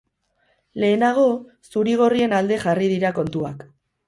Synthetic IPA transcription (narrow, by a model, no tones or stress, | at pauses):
le̞ːnaɣ̞o̞ | suɾiɣ̞o̞rie̞nald̪e̞xarið̞iɾako̞nt̪ua̰k